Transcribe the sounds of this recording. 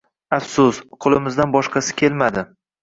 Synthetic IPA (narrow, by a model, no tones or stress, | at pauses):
afsʊsqʰʊlˠɪmɪzd̪anbɒʃqʰɑsɪ̥kʲʰe̞lmad̪ɪ